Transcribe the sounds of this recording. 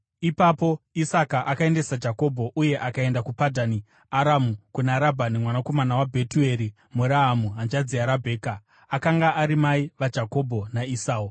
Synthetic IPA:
ipapo̞isakaʔakae̞nde̞sad͡ʒako̞bʱo̞ʔuje̞ʔakae̞ndakupadʱani | aɾamukunaɾabʱanimwanako̞manawabʱe̞tue̞ɾi | muɾaɦamuɦand͡ʒad͡ziaɾabʱe̞ːka | akaŋɡaʔaɾimaiʋad͡ʒʱako̞bʱo̞naisaːu

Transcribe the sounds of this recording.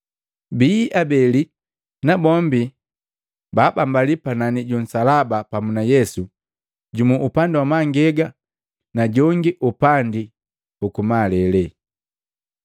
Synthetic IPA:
biʔabɛli | nabɔmbi | baːbambalipananiɟɔn̩salabapamunajɛsu | ɟumuʔupandiwamaŋɡɛɡa | naɟɔŋɡiʔupandi | ukumalɛlɛ

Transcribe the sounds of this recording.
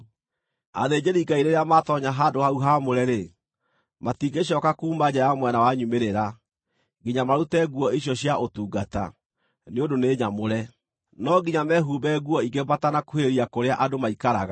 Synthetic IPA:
a̰ðed͡ʑeɾiɡaiɾeɾeamatɔɲaɦaːdohauɦamoɾɛɾe | matiɡeɕjɔːkakuːmad͡ʑajamwɛnawaɲumeɾeɾa | ɡiɲamaɾutɛɣuɔiɕ̬jɔɕjaʔotuːɡata̰ | neondoneːɲamoɾɛ | nɔɡiɲamɛɦubɛɣuɔiɡebatanakoheɾiakoɾeaʔadomaikaɾaɣa

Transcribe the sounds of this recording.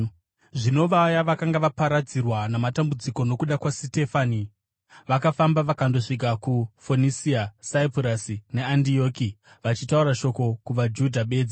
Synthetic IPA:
ʐino̞ʋajaʋakaŋɡaʋapaɾad͡zirwanamatambud͡ziko̞no̞kuɗakwasite̞faːni | ʋakafambaʋakando̞ʂiɡʱakufonisiasaiprasine̞andio̞ːki | ʋat͡ʃitauɾaʃo̞ko̞kuʋad͡ʒudʱaɓe̞ːd͡zi

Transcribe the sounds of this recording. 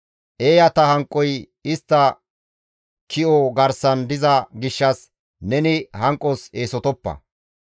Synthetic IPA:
ʔeːjɐt̪ɐhɐŋkʼːɔj | ɪst̪ːɐ | kʰɪʔɔɡɐɾsɐnd̪ɪzɐɡɪʃːɐs | nɛnɪhɐŋkʼːɔse̞ːsɔt̪ɔpːɐ̰

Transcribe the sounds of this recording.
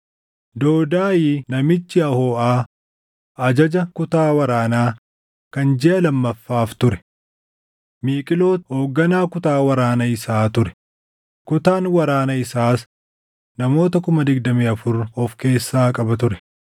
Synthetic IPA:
d̪o̞ːd̪aːjinɐmɪt͡ʃːɪɐhoːʔaː | ɐd͡ʒɐd͡ʒɐkʊt̪aːwɐɾaːnaː | kɐnd͡ʒɛʔɐlɐmːɐfːaːft̪ʊɾɛ̥ | miːkʼɪlo̞ːho̞ːɡːɐnaːkʊt̪aːwɐɾaːnɐɪsaːt̪ʊɾɛ̥ | kʊt̪aːnwɐɾaːnɐɪsaːs | nɐmo̞ːt̪ɐkʊmɐd̪ɪɡd̪ɐmiːɐfʊɾɔfke̞ːsːaːkʼɐbɐt̪̬ʊɾɛ̥

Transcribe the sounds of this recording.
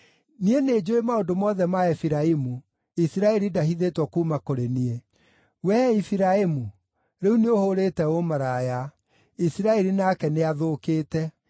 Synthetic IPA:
niened͡ʒoemaodomɔðɛmaɛfiɾaimu | isiɾaɛɾidaɦiðetwɔkumakoɾenie | wɛifiɾaemu | ɾeuneohoɾetɛomaɾaja | isiɾaɛɾinakɛneaðokeːtɛ

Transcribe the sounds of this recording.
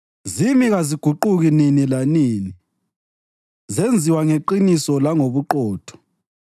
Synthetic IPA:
zimiɣaziɡ̥ʱuǃuɣininilaniːni | zend͡zʱiwaŋeǃinisɔlaŋoβuǃɔːtʰɔ̥

